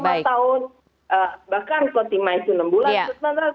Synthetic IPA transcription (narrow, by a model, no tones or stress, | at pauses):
mat̪aʊn | ʔəbahkankot̪imait̪unəmbulaunant̪a